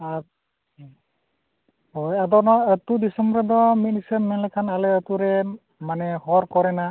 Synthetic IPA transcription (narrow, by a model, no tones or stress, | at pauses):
a | ɦojad̪ɔnɔət̪udisɔmbɾɔd̪ɔmit̪̚nisəmɛnlakʰanalɛət̪uɾɛ | manɛhɔɾkɔɾɛna